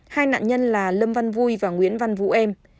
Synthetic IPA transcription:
haː˧jna̰ː˧˨nɲə˧nlaː˨˩lə˧mva˧nvu˧jvaː˨˩ŋwḭ˧˥ənva˧nvṵ˧˥ʔɛ˧m

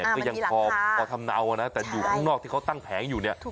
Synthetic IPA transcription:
ɛ˨˩kɔ˥˩ja˧ɔː˧pʰɔː˧t̪ʰa˧mnaː˧wʔa˨˧na˦˥t̪ɛː˨˩juː˨˩kʰaː˥˩ŋnɔː˥˩k̪̚ʰiː˥˩kʰwt̪a˥˩ŋpʰɛː˩˦njuː˨˩ni˥˩ɐ

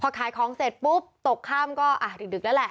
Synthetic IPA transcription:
pʰɔː˧kʰaː˩˦jkʰɔː˩˦ŋseː˨˩t̪̚pu˦˥p̚t̪o˨˩kʰːaː˥˩mkɔː˥˩ʔa˧˩dɯ˨˩dɯ˨˩k̚nɛː˦˥wlɛ˨˩ʔ

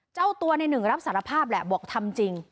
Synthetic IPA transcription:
t͡ɕa˥˩wt̪u˧ɐna˧jnɯ˨˩ŋɾa˦˥p̚saː˩˦ɾa˧pʰaː˥˩p̚lɛ˧˩bu˨˩ək̚t̪ʰa˧mt͡ɕi˧ŋ

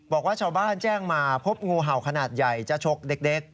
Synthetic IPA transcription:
bɔː˨˩k̚waː˥˩t͡ɕʰaː˧wbaː˥˩nt͡ɕɛː˥˩ŋmaː˧pʰo˦˥p̚ŋuː˧ɦa˨˩wkʰa˧naː˨˩t̪̚ja˨˩jt͡ɕa˨˩t͡ɕʰo˦˥k̚de˦˥k̚de˦˥k̚

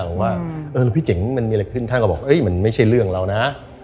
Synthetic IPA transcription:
waː˥˩ʔɤː˧lːwpʰiː˥˩t͡ɕe˩˦ŋma˧nmiː˧kkʰɯ˥˩nʰa˥˩kɔ˥˩bɔː˨˩kʔɤ˦˥jma˧˥nma˥˩jt͡ɕʰa˥˩jɾɯ˥˩əŋɾa˧wna˦˥

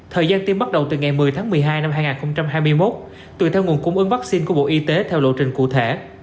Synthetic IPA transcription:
t̪ʰəː˨˩jzaː˧nt̪i˧mɓa˦˥t̚ɗə˨˩wt̪ɨ˨˩ŋa˨˩jmɨ˨˩əjt̪ʰaː˨˦ŋmɨ˨˩əjɦaː˧jna˧mhaː˧jŋaː˨˩nxə˧wŋ͡mt͡ɕa˧mɦaː˧jmɨ˧əjmo˦˥t̚ | t̪ɨ̰˧˨t̪ʰɛ˧wŋu˨˩ənkʊ˧ŋ͡mʔɨ˨˦ŋva˦˥k̚si˧nku˧˩əɓo̰˧˨ʔi˧t̪e˨˦t̪ʰɛ˧wlo̰˧˨t͡ɕï˨˩ŋ̟kṵ˧˨t̪ʰe˧˩

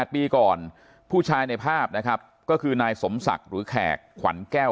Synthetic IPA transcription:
t̪̚piː˧kɔː˨˩n | pʰuː˥˩t͡ɕʰaː˧jna˧jpʰaː˥˩p̚na˦˥kʰa˦˥p̚ | kɔː˥˩kʰɯː˧naː˧jso˩˦msa̰˨˩k̚ɾɯː˩˦kʰɛ̰ː˨˩kʰːwa̰˩˦nkɛː˥˩w

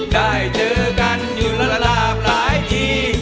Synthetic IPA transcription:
ɗaː˧˩jt͡ɕɤː˧ka˧njuː˨˩la˧˩la˧laː˧˩p̚laː˨˦jt̪iː˧˩

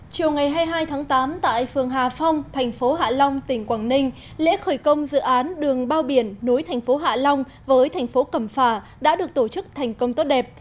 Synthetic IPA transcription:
t͡ɕi˨˩əwŋa˨˩jɦaː˧jɦaː˧jt̪ʰaː˨˦ŋt̪aː˨˦mt̪a̰ː˧˨jfɨ˨˩əŋɦaː˨˩fɔ˧wŋ͡mt̪ʰɛ˨˩jŋ̟fo˨˦ɦa̰ː˧˨lɔ˧wŋ͡mt̪ï˧˩ŋ̟kwaː˧˩ŋnï˧ŋ̟ | lḛ˧˥xəː˧˩jkə˧wŋ͡mzɨ̰˧˨ʔaː˨˦nɗɨ˨˩əŋɓaː˧wɓi˧˩ənːu˨˦jt̪ʰɛ˨˩jŋ̟fo˨˦ɦa̰ː˧˨lɔ˧wŋ͡m | vəː˨˦jt̪ʰɛ˨˩jŋ̟fo˨˦kə˧˩mfaː˧˩ | ɗa̰ː˧˥ɗɨ˨˩ək̚t̪o˧˩t͡ɕɨ˦˥k̚t̪ʰɛ˨˩jŋ̟kə˧wŋ͡mt̪o˦˥t̚ɗɛ˨˩p̚

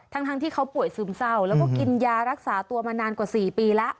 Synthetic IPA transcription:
t̪ʰa˦˧˥ŋt̪ʰa˧ŋt̪ʰiː˥˩kʰa˦˥wpu˨˩əjsɯː˨˩˦msa˥˩wlɛː˦˥wwkɔː˥˩ki˧njaː˧ɾa˦˥k̚saː˩˦t̪u˧ɐmaː˧naː˧nkwaː˨˩siː˨˩piː˧lɛ˦˥ʔ

